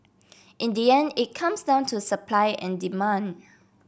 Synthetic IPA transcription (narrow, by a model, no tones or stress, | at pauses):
ʔĩndiɛ̃ndit̚kʰãmsdãʊ̃ntʰusəpʰlaɪɛ̰̃ndimãnd